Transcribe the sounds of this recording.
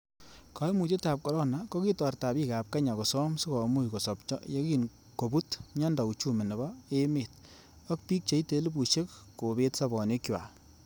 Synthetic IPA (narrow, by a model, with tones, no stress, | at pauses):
ka˨˦mu˨te˦ta˨p̚kɔ˨ɾɔ˦na˨kɔ˦ki˦tɔ˨rta˨biː˦ka˨p̚ka˦ɲa˨kɔ˨sɔ˦msʊ˦kɔ˨mu˦˨jkɔ˨sɔ˨pt͡ʃɔ̰˦je˦ki˨n | ko˨bu˦tɲa˦nda˨u˨t͡ʃu˦me˨nɛ˨bɔ˦e˦meː˨t̚ | ɔ˦k̚pi˦k̚t͡ʃe˨˦i˦te˨˦lɪ˦bu˨ʃe˦kko˨be˦tsa˦bɔ˨ne˦kjwa̰˨